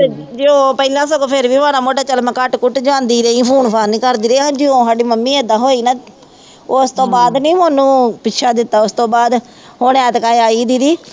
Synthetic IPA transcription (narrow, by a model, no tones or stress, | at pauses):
d͡ʒeoːpəɪlãːsəɡoːpʰɪɾʋiːaːɾaːmoːʈaːt͡ʃəlmɛ̃ːkəʈkʊʈd͡ʒãːnd̪iːɾəĩːpʰuːnpʰaːnĩːkəɾd̪iːɾɦãːd͡ʒioːsaːɖiːməmːiːɛːd̪ãːɦoːiːnãː | ʊst̪õːbaːd̪nĩːmõːnũːpɪʃʰaːd̪ɪt̪ːaːʊst̪õːbaːd̪ | ɦoːneːt̪kaːeaːiːd̪iːd̪iː